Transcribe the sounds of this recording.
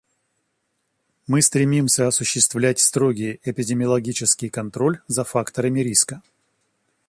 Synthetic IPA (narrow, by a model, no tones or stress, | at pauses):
mɨst̪ɾʲɪmʲimsʲəɐsʊɕːɪst̪vlʲætʲst̪ɾo̞ɡʲɪjɪpʲɪdʲɪmʲɪɐlˠɐɡʲit͡ɕɪskʲɪjkɐnt̪ɾo̞lʲzɐfakt̪əɾəmʲɪɾʲiskə